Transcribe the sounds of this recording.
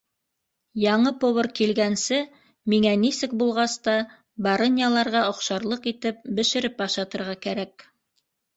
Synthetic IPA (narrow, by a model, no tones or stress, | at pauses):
jɑɴɤpŏβɤrkilɡænsɘ | miŋænisɘk̚bulˠʁɑst̪ɑ | bɑɾɤ̆nʲjɑlˠɑɾʁɑŏqʃɑɾlˠɤqit̪ɘp̚bɘ̆ʃɘ̆ɾɘpɑʃɑt̪ɤ̆ɾʁɑkæɾæk